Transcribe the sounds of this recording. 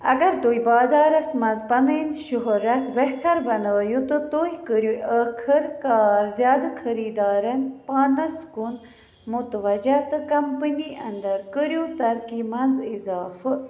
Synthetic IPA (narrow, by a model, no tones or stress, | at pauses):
ɐ̰ɡɐɾt̪oːjbɑːzaːɾɐsmɐnzpɐnəinʃuɦɾɐt̪beht̪ʰɐɾbɐnəːjut̪ɨt̪oːjikəɾjuəkʰəɾkaːɾzjaːd̪ɨkʰɐɾiːd̪aːɾɐnpaːnɐskun | mut̪ʋɐd͡ʒat̪ɨkɐmpəniʔɐnd̪ɐɾkəɾjut̪ɐɾkimɐnzizaːfɨ